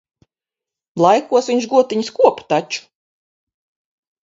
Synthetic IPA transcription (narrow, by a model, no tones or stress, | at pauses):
lˠajkuɔsvʲiɲʒʃɡuɔt̪iɲiskuɔpt̪at͡ʃu̥